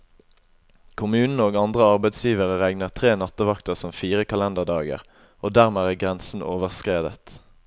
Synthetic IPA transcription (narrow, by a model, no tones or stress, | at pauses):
kʰʊmʉːnn̩əoːɡɑnd̪ʁəɑʁbɛɪd̪sjiːʋəʁəʁæɡnəʁt̪ʰʁeːnɑt̪əʋɑkt̪əʁsɔmfiːʁəkʰɑlɛnd̪əʁd̪ɑːɡə̰ʁ | oːd̪æːʁmeːæːɡʁɛnsn̩oːʋəʁskʁeːd̪ə̰t̪